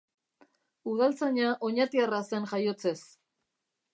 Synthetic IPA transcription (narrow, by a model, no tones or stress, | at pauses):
uð̞alt͡saɲaʔo̞ɲat̪iarase̞nʝajo̞t͡se̞s